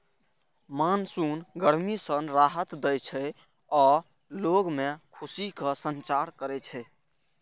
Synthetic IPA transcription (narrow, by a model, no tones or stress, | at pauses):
mansunɡəɽmisənɾaɦət̪d̪ɛjt͡ʃʰɛ | ɔː | loɡmekʰusikəsənt͡ʃaɾkəɾɛt͡ʃʰɛ